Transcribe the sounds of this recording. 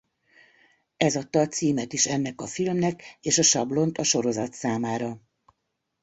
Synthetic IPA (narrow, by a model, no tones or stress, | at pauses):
ɛzɒt̪ːɒːt̪siːmɛt̪iʃɛnːɛkɒfilmnɛkeːʃɒʃɒblo̞nt̪ɒʃo̞ɾo̞zɒt̪saːmaːɾɒ